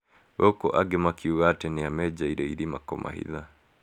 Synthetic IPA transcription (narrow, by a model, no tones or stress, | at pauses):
βɔkɔ̰ʔaɡemakʰiuɣatɛneamɛd͡ʒaiɾɛiɾimakɔmʔa̰hḭða